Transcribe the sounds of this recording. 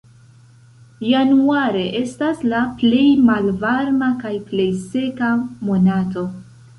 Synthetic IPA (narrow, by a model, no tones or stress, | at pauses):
januaɾe̞ʔe̞staslaple̞jmalvaɾmakajple̞jse̞kamo̞nato̞